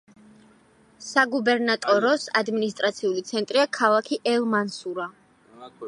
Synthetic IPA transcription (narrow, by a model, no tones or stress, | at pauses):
saɡubɛɾnat̪ʼɔɾɔsad̪minist̪ʼɾat̪sʰiulit̪sʰɛnt̪ʼɾiakʰalˠakʰiʔɛlˠmansuɾa